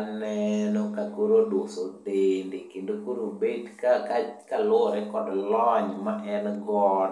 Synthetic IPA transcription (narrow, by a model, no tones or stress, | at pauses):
nɛnɔkakuɾodwosodendekendokuɾobedkakakalʊɾɛkɔdlɔɲmaʔɛnɡɔn